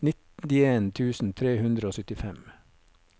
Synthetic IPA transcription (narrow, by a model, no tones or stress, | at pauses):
nɪt̪ɪeːnt̪ʰʉːsn̩t̪ʰɾeːhʉnd̪ɾəoːsʏt̪ɪfɛm